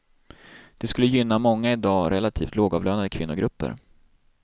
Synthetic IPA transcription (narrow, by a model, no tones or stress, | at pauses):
d̪̥ɛskɵlːəjʏnːamɔŋːaɪd̪ɑːɾʔɛlat̪ʰiːft̪loːɡɑːvløːnad̪əkʰvɪnːʊɡɾɵpːə̰ɾ